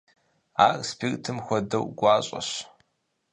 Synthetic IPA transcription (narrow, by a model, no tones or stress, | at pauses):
aːrspʰirtʰɨmxʷɔdɐwɡʷɑːɕʼɐ̰ɕ